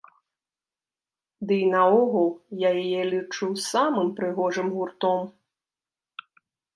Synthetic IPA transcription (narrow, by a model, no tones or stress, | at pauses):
d̪ɨinɐɔɣɐlˠjajajɛlʲit͡ʂɨwssamɨmpɾɨɣɔʐɨmɣurt̪ɔm